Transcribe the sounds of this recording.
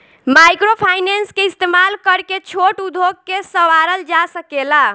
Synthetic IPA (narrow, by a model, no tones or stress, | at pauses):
majkɾopʰajnenskeist̪emalkəɾket͡ʃʰoʈud̪ʱoɡ̚kesəʋaɾəld͡ʒasəkela